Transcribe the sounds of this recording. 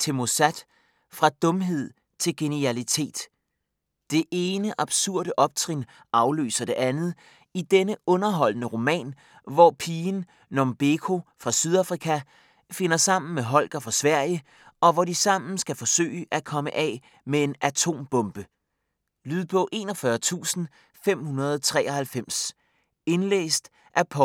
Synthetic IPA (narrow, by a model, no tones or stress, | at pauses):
t͡sʰe̝mo̝sæd̥ | fʁɑ̈d̥ɔ̽mɦe̝ð̞̰ˠ | t͡sʰe̝lɡ̥e̝niælit͡sʰe̝̰ːd̥ | d̥e̝ʔe̝ːnəʔɑ̈b̥suɐ̰ɾ̥əʔɒ̽b̥̚t͡sʰʁin | ɑ̈ʊlø̰ːsɐd̥e̝ʔænð̩ˠ | id̥enəɔ̽nɐɦɒ̽l̰nəʁo̝mɛ̰ːn | ʋɒpʰiːn | nɒmb̥e̝kʰo̝fʁɑ̈syð̞ˠɑfʁikʰæ | fe̝nɐsɑ̈m̰n̩meɦɒ̽l̰ɡ̥ɐfʁɑ̈sʋæɐ̰jə | ʔɒ̽ʋɒdisɑ̈m̰n̩sɡ̥æfɒ̽sø̰ːɪəʔækʰɒ̽məʔɛ̰ | mee̝nʔæt͡sʰo̝̰ːmb̥ɔ̽mb̥ə | lyðˠpʰɔ̽ʔe̝̰ːnɒfɶːɐt͡sʰṵːsn̩ | fem̰hunɐð̞ˠt͡sʰʁɛ̰ːɒhælfem̰s | e̝nlḛːsd̥ | ʔæɐpʰɒ